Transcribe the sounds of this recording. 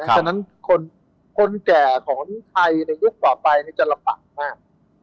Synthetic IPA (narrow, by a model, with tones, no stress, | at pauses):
n˦˥t͡ɕʰa˧na˦˥nkʰo˧n | kʰo˧nkɛː˨˩kʰɔː˩˦ŋ˦˥t̪ʰa˧jna˧jːu˦˥˩k̚waː˨˩pa˧jna˦˥t͡ɕa˨˩la˧pa̰˨˩k̚maː˥˩k̚